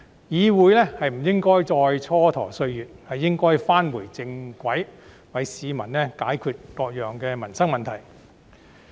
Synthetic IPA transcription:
jiː˨˧wuː˨˧jlɛː˥hɐ˨jm̩˨˩jɪ˥ŋkɔː˥jt͡sɔː˧jt͡sʰɔː˥t̪ʰɔː˨˩sɵ˧ɥjyː˨t̚hɐ˨jːɪ˥ŋkɔː˥jfaː˥nwuː˨˩jt͡sɪ˧ŋkʷɐ˨˥j | wɐ˨˧jsiː˨˧mɐ˨˩nɛː˥kaː˨˥jkʰyː˧t̚kɔː˧k̚jœː˨ŋkɛː˧mɐ˨˩nsɐ˥ŋ̚mɐ˨nt̪ʰɐ˨˩j

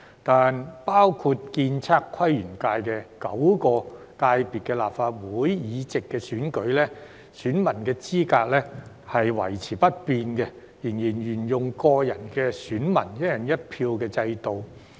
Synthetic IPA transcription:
t̪aː˨npaː˥wkʰu˧t̚kiː˧nt͡sʰaː˧kʰːɐ˥jɥy˨˩nkaː˧jkɛː˧kɐ˨˥wkɔː˧ | k̪aː˧jpiː˨t̚kɛ˧laː˨pfaː˧t̚wuː˨˥jjiː˨˧t͡sɪ˨kːɛ˧syː˨˥nkɵ˨˥ɥlɛː˥ | syː˨˥nmɐ˨˩nkɛː˧t͡siː˥kaː˧k̚lɛː˥ | hɐ˨jwɐ̰˨˩jt͡sʰiː˨˩pɐ˥t̚piː˧nkɛ˧ | ji˨˩njiː˨˩njyː˨˩njʊ˨˩ŋkɔː˧jɐ˨˩nkɛː˧syː˨˥nmɐ̰˨˩njɐ˥t̚jɐ˨˩njɐ˥t̚pʰiː˧wkɛː˧t͡sɐ˧jt̪o˨w

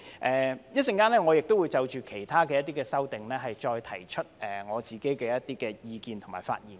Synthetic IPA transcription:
ʔɛː˨jɐ˥t̚sɪ˧ŋkaː˥nlɛː˥ŋɔː˨˧jɪ˨k̚t̪o˥wuː˨˧jt͡sɐ˨˧wt͡ʃyː˨kʰe˨˩jt̪ʰaː˥kɛː˧jɐ˥t̪̬iː˥kɛː˧sɐ˥wt̪ɪ˨ŋlɛː˥ɦɐ˨jt͡ʃɔː˧jt̪ʰɐ˨˩jt͡ʃʰɵ˥t̚ɛː˨˩ŋɔː˨˧t͡siː˨˩ke˨˥jkɛː˧jɐ˥t̪iː˥kɛː˧jiː˧kiː˨nt̪ʰʊ˨˩ŋmaː˨˩jfa̰ː˧t̚jiː˨n

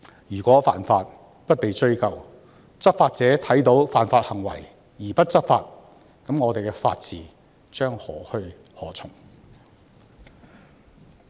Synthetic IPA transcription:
jyː˨˩kʷɔː˨˥fa̰ː˨nfaː˧t̚ | pɐ˥t̚pe˨jt͡ʃɵ˥ɥkɐ˨w | t͡sɐ˥k̚faː˧t̚t͡sɛː˨˥t̪ʰɐ˨˥jt̪o˨˥wfaː˨nfaː˧t̚hɐ˨˩ŋwɐ̰˨˩j | jiː˨˩pɐ˥t̚t͡sɐ˥faː˧t̚ | kɐ˨˥mŋɔː˨˧t̪e˨jkɛː˧fa̰ː˧t̚t͡siː˨ | t͡ʃœː˥ŋhɔː˨˥hɵ˧ɥ | hɔː˨˥t͡sʰʊ˨˩ŋ

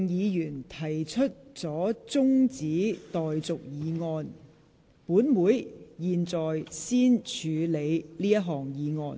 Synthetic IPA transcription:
ŋjiː˨˧jyː˨˩nt̪ʰɐ˨˩jt͡ʃʰɵ˥t̚t͡sɔː˨˥t͡sʊ˥ŋt͡siː˨˥t̪ɔː˨jt͡sʊ˨k̚jiː˨˧ŋɔː˧n | puː˨˥nmuː˨˧jjiː˨nt͡sɔː˨jsiː˥nt͡ʃʰyː˨˧le˨˧jliː˥jɐ˥t̚ɦɔː˨ŋjiː˨˧ŋɔː˧n

